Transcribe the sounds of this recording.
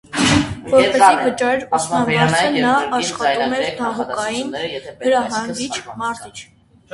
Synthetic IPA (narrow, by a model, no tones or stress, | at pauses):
vɔɾpɛsivət͡ʃɑɾumɑnmɑɾt͡sʰənɑːʃχɑt̪umɛɾt̪ʰɑʁukɑjinnəɾɑɦɑŋɡit͡ʃʰmɑɾt̪it͡ʃʰ